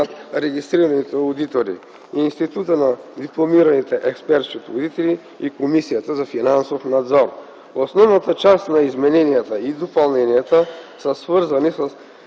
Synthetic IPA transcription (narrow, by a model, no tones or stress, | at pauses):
t̪ɾɛɡist̪ɾiɾɐnit̪ɛod̪it̪oɾḭ | iːnst̪it̪ut̪ənad̪iplˠomiɾɐnit̪ɛʔɛkspɛɾt̪skʲit̪ɛod̪it̪ɛli | ikomisijət̪əzɐfinansofnad̪zɔɾ | osnɔvnɐt̪ət͡ʃast̪nɐizmɛnɛnijət̪əid̪opɐlˠnɛnijət̪əsəsvɤɾzɐnisəs